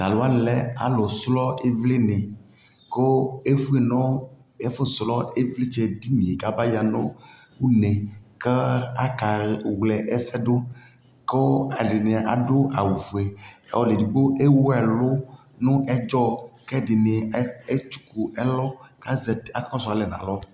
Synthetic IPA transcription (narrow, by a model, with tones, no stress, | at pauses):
ɡa˨lo˦a˦n˨lɛ˦a̰˨lɔ˨slɔ˦e˦vle˦nẽ˨ | ko˦e˦fu˦e˨nɔ̃˦ | e˦fo˦slɔ˦e˦vle˦t͡ʃɛ˨di˦mĩ˨e˨ɡa˨ba˦ja˨nɔ̃˦ | wu˦nẽ˨ke˦a˦ka˨wlɛ˨ʔɛ˦sɛ˦ɖo˦ | ko˦a˨ɖi˨ne˨ʔa˨ɖo˦a˨wu˨fu˨ɛ̰˨wɔ˨le˨di˨bo˦ʔe˦wo˦ɛ˨lʊ˦ | nũ˦ʔɛ˦d͡ʒɔ˦kɛ˦ɖi˨ne˨˦e˦t͡ʃu̥˦ku˨ʔɛ˦lɔ˦ka˦zɛ˨ta˦ka˦ɔ˦sa˨lɛ˨nã̰˨lɔ˦